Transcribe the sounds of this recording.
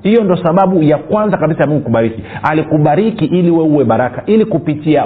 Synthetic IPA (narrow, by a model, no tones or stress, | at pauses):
hijɔndɔsaɓaɓujakwanzakaɓisajamuŋɡukuɓaɾikialikuɓaɾikiʔiliwɛuwɛɓaɾakaʔilikupitia